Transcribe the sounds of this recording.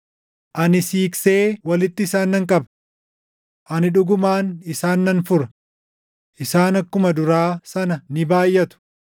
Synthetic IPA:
ʔɐnɪsiːkse̞ːwɐlɪt̪ːɪːsaːnːɐŋkʼɐbɐ̥ | ʔɐnɪᶑʊɡʊmaːnɪsaːnːɐnfʊɾɐ | ʔɪsaːnɐkːʊmɐd̪ʊɾaːsɐnɐnɪbaːjʔːɐt̪ʊ̥

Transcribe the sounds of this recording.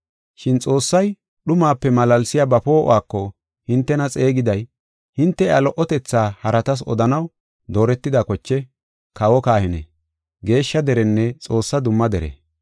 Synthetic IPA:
ʃɪnt͡sʼo̞ːsːɐj | ɗʊmaːpːɛmɐlɐlsɪjaːbɐpo̞ːʔɔ̰waːkːɔ | hɪnt̪ːɛnɐt͡sʼe̞ːɡɪd̪ɐj | hɪnt̪ːɛalɔʔɔt̪ɛt͡sːaːhɐɾɐt̪ɐs̬ɔ̰d̪ɐnɐw | d̪o̞ːɾɛt̪ːɪd̪akɔt͡ʃːɛ | kɐwɔkaːhɪnɛ̰ | ɡe̞ːʃːɐd̪ɛɾɛnːɛt͡sʼo̞ːsːɐd̪ʊmːɐd̪ɛɾɛ̰

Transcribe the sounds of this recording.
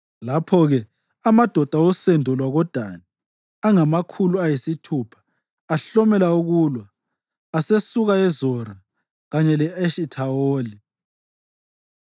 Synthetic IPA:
lapʰɔɣɛ | amad̥ʱɔd̥ʱaɔsendʱɔlwaɣɔd̥ʱa̰ni | aŋamakʰuluajisitʰupʰḁː | ɬɔmɛlauɣuːlwaː | sesuɣaɛzɔra | ɣaɲɛlɛeʃitʰaoːli

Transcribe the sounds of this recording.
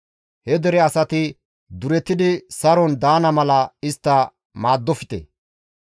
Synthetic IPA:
hɛd̪ɛɾɛɐsɐt̪ɪ | d̪ʊɾɛt̪ːɪd̪ɪsɐɾɔnd̪aːnɐmɐlɐɪst̪ːɐ | maːd̪ːɔfɪ̥t̪ḛ

